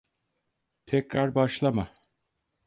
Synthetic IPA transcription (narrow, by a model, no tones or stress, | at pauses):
t̪ʰɛcɾaɾbaʃlˠama